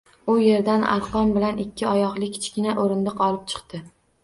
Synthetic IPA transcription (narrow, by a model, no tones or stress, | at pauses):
ʊje̞ɾd̪ana̰ɾqɒmbɪlanɪkʲʰːɪɒjɒqlˠɪkʲʰɪ̥t͡ʃkʲɪnaʔoɾɪnd̪ɪqʰɒlˠɪp̚t͡ʃʰɨ̥qt̪ɪ